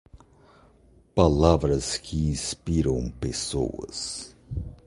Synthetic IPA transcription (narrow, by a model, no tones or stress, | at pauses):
palavɾɐskʰɪĩspiɾɐ̃w̃peso̰wɐ̰s